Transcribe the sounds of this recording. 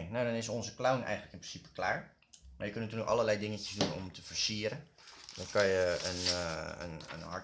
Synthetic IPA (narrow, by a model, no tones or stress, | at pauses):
nowdɔnɪsɔnzəklawnɛ̰jɣəntləkɪnprɪnsipə̥klaːɹ | ma̰ɹjəkønətyəkʔɑ̰ləlɛjdɪŋəcəsdunɔ̰mtʰəfəɹsiəɾən | dɔnkɑjəə̰nə̰nə̰nɦɑ